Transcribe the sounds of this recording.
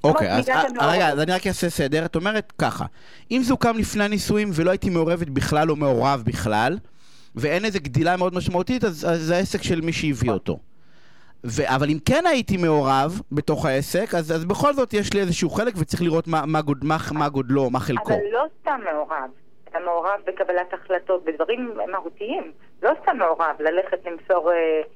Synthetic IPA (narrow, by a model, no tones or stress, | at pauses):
ʔokeja̰zʁeɡazaniʁakjasese̞de̞ʁato̞me̞ʁet̪ka̰χa̰ | ʔimzukamlifneanisuimvelo̞ait̪ime̞o̞ʁe̞vet̪biχlalo̞meo̞ʁavbiχla̰l | vee̞nezeɡd̪ilame̞o̞d̪maʃmaut̪itazaːeae̞se̞kʃe̞lmiʃejivio̞t̪o̞̰ | veʔavalimke̞nait̪ime̞o̞ʁavbe̞to̞χhae̞se̞kazazbeχo̞lzo̞t̪jeʃliezeʃuuχe̞lekvet͡sʁiχliʁo̞t̪mamaɡodmaχmaɡo̞dlo̞ːmaχelakolːo̞stamːeoʁav | at̪ameoʁavbekabalataχlato̞t̚bed̪vaʁimmahutiim | lo̞st̪amːeo̞ʁavlale̞χetlimso̞ʁe